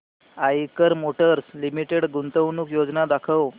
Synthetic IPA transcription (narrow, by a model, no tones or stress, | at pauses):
ajkəɾmoʈəɾslimiʈeɽɡunt̪əwnuːkjod͡znad̪akʰəw